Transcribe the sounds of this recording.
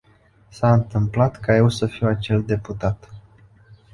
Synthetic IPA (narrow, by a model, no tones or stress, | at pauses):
saɨnt̪ɨmplat̪kajewsəfiwat͡ʃe̞ld̪e̞put̪at̪